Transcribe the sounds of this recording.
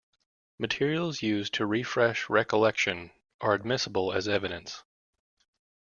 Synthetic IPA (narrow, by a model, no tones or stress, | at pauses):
mɨtʰɪɹil̩ˠzjʉztʰɨɹifɹɛʃɹɛkəlɛkʃɨ̃n | ʔə˞ɨd̚mɪsəbl̩ˠɨzɛvɨɾɨ̃ns